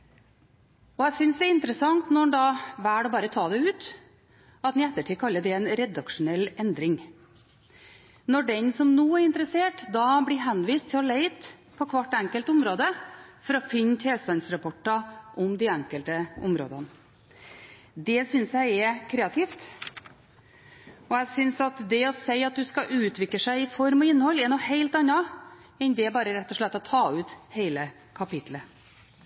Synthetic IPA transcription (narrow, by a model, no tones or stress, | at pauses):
ɔæɪsʏnsd̪ɛɾɪnt̪ɾəsɑŋt̪nɔɳd̪ɑːʋæːɽɔbɑːɾət̪ʰɑːd̪ɛʉːt̪ | ɑt̪nɪæt̪ːəʈʰiːkʰɑlːəɖɛɛnɾɛd̪ɑkʂʊnɛlːɛnd̪ɾɪŋ | nɔɖɛnsɔmnuːæɾɪnt̪ɾəseːʈd̪ɑbɽɪɦɛnʋiːst̪ʰːɪlɔleɪt̪ | pʰɔkʰʋɑʈːæŋkəlt̪ʊmɾoːd̪əfɔɾɔfɪnt̪ʰeːlst̪ɑnsɾɑpʰɔʈːɑʔɔmd̪iæŋkəlt̪əʊ̰mɾo̰ːd̪ɑn | d̪ɛsʏnsjæɪɛkʰɾeːɑt̪ʰiːft̪ | ɔæsʏnsɑt̪d̪ɛɔseɪɑt̪̚d̪ʉskɑʔʉːt̪ʰʋɪkːəʂæɪɪfɔɾmɔɪnːəhɔlːɛnɔheɪlt̪ɑnːɑɛnd̪ɛbɑːɾəɾɛt̪ːɔʂɭɛt̪ːɔt̪ʰɑːʉːt̪heɪlə | kʰɑpɪt̪lə